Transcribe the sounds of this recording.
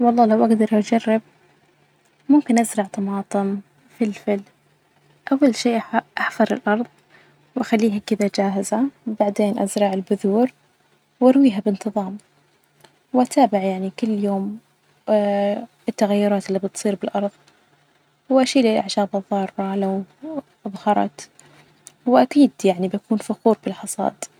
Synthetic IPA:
wɑlˤːɑːlawʔaɡd̪ɑɾˤʔad͡ʒarˤːɪb̚ | mʊmkɪnʔazɾˤɑʕt̪ˤɑmɑːt̪ˤɨm | fɪlfɪl | ʔawːalʃiːʔʔaħfɑɾˤɪ̰lʔɑɾˤðˤ | wʔaxalːiːɦakɪðad͡ʒaːɦɪzabaʕd̪eːnʔa̰zɾˤɑʕɪlbʊðuːɾ | wʔɑɾˤwiːɦabɪnt̪ɨðˤɑːm | wʔat̪ʰaːbɪʕjaʕnikʊlːjoːm | ɪt̪ːaɣajːʊɾˤɑːt̪ɪlːiːbɨt̪sˤiːɾbɪlʔɑɾˤðˤ | wʔaʃiːlɪlʔaʕʃaːbɑðˤːɑːɾˤːɑlaw | ʔðˤhɑɾˤɑ̰t̪ | wʔakiːd̪jaʕnibakuːnfaxuːɾbɪlħɑsˤɑ̰ːd̪

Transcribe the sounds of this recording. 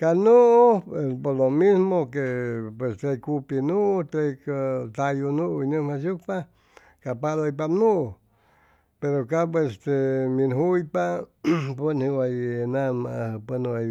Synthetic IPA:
kanuʔoepoɾlomismokepwest̪ekupinũt̪ɾekt̪ajunũinɨ̃masuk̚pa | kapalojpamnũ | peɾokap̬west̪eminɦujpapunhĩwajenãmapənua

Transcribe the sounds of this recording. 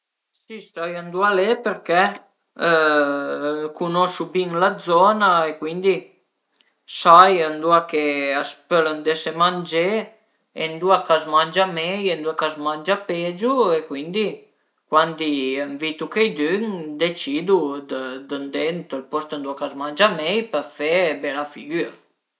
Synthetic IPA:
sisajənd̪ualepeɾkɛ | kunɔsubiŋlad̪zɔnaekwind̪i | sajənd̪uakeaspølənd̪esemand͡ʒe | end̪uakazmand͡ʒamɛjend̪uakazmand͡ʒaped͡ʒuekwind̪i | kwand̪iəɱvit̪ukejd̪ynd̪et͡ʃid̪ud̪əd̪ənd̪ɛnt̪əlpɔst̪ənd̪uakazmand͡ʒamɛjpəɾfɛbɛlafiɡyɾ

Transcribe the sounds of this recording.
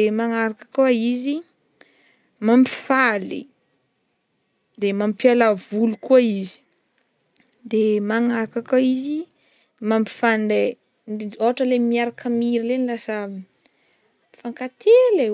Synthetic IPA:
maŋaɾakḁkuaizi | mampi̥falḭ | d̪emampialavulukuaizi̥ | d̪emaŋaɾakakaizi | mampi̥fand̪e | ndid͡ʒoaʈ͡ʂəlemiaɾakamiɾilenlasə | faŋkat̪ʰele

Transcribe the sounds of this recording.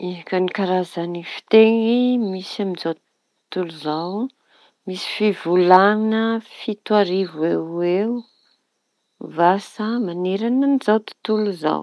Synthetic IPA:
iɦakənikaɾazanifi̥t̪eŋimisaminzawt̪ | t̪uluzaw | misi̥fivulanəfit̪waɾivuewew | vasamaneɾanənizawt̪u̥t̪uluza̰w

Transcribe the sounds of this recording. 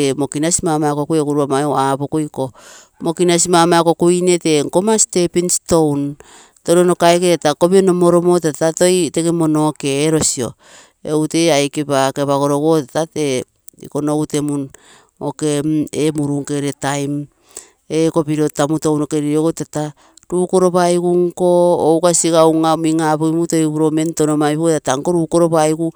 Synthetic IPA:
emo̞kinasimamakokuekuɾuamaabokojko̞ | mo̞kinasimamako̞kuine̞te̞ŋkomasi̥te̞pinsto̞wn | toɾono̞kaeketetakopiono̞moɾo̞motatato̞jtekemonoːkeːɾo̞sio̞̰ | ewte̞ajkepakeβaɡo̞ɾo̞ɡotatate | ḭkonowte̞mun | okememuɾuŋkeɾetajm | eko̞piɾo̞tamutownokeɾioɡotata | ɾuːko̞ɾo̞βajɡuŋko̞ːwkasiɡawŋamiŋaβojmuto̞jβuɾo̞me̞ntonomaiβotataŋko̞ɾuːkoɾo̞βajɡu

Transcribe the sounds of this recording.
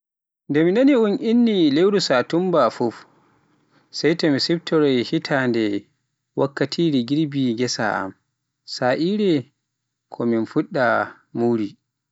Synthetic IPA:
ndɛminaniunʔinːilewɾusatumbafuf | sɛjtɔmisɛbtʰɔɾɔjhitʰandɛ | wakːatʰiːɾɛɡiɾbiɡɛsa̰a̰m | saʔiɾɛ | kʰɔminfuɗːa | muɾi

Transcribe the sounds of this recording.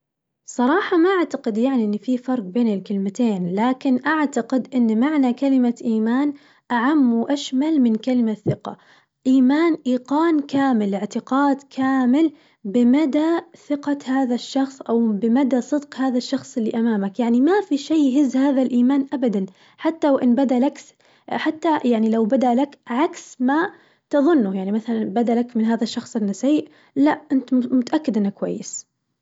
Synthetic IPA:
sˤɑɾˤɑːħɑmaʔaʕt̪aqɪd̪jaʕniʔɪnːfifɑɾˤq̚beːnɪlkɪlmɪt̪eːnlaːkɪnʔaʕt̪aqɪd̪ʔɪnːmaʕnakalɪmaʔiːmaːn | ʔaʕamːwʔaʃmalmɪnkalɪmaθɪqɑ̰ | ʔiːmaːnʔiːqɑːnkaːmɪlɪʕt̪ɪqɑːd̪kʰaːmɪl | bɪmad̪aθɪqahaːðaʃːɑxsˤʔawbɪmad̪asˤɨd̪qhaːðaʃːɑxsˤɪlːiʔamaːmakjaʕnimafiʃeːɦɪzːhaːðalʔiːmaːnʔabad̪an | ħat̪ːawʔɪnbad̪aʔlak | ħat̪ːajaʕnilawbad̪aʔlakʕaksma | t̪ɑðˤʊnːʊjaʕnimaθalanbad̪alakmɪnɦaːðaʃːɑxsˤɪnːasaʕiːʔ | laʔʔɪnt̪mʊt̪aʔakːɪd̪ʔɪnːakːwa̰jːɪs

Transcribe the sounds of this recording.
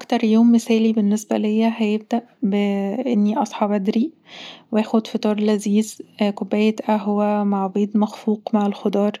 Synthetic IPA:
ʔækt̪ɑɾˤjoːmːesæːlibenːesbæ̰lejːæɦæjeb̚d̪æʔbeʔenːiʔɑsˤħɑbæd̪ɾi | weʔæːxod̪fit̪ˤɑːɾˤlæziːzkobːæːjet̪ʔæɦowæmaʕbeːd̪mæxfuːqmaʕalxod̪ˤɑːɾˤ

